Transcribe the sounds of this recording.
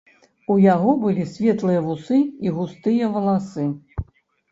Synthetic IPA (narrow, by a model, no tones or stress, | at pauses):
ujaɣɔbɨlʲisʲvʲɛt̪lˠɨjɐvusɨiɣust̪ɨjɐvɐlˠasɨ